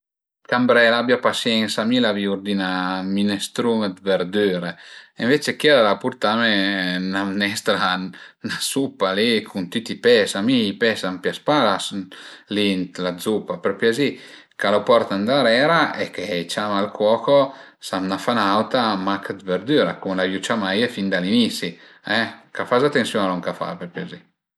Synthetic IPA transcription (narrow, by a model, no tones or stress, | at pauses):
kambɾɛlabjapasjɛnsamilaviuɾd̪inaminɛst̪ɾuməd̪vɛɾd̪yːɾeeɱvet͡ʃekɛɾalapuɾt̪amenamnɛst̪ɾanasupːalikʰunt̪yt̪ipɛsamiːpɛsampjaspalaslint̪lad̪zupːapɾɔpjazi | kalopɔɾt̪and̪aɾɛːɾaekeit͡ʃamalkwɔːko | samnafanawt̪amakad̪veɾd̪yɾakumlajut͡ʃamajefind̪alinisi | ɛkafazat̪ensjɔnaloŋkafa̰pɛpjiazi